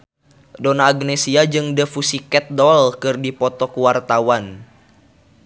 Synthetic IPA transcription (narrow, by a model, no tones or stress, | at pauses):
donaːɡnɛsiad͡ʒɨŋdəfusikɛt̪̚dɔlkɨrdipɔt̪ɔkuwart̪awan